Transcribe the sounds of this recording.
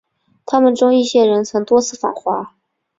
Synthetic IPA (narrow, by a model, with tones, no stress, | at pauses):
t̪ʰa˥mə˨nʈ͡ʂʊ˥ŋi˥˩ɕjɛ˥ɻə˧˥nt͡sʰɤ˧˥ŋt̪wɔ˥t͡sʰɹ̩˥˩fa̰˨˩xwa˧˥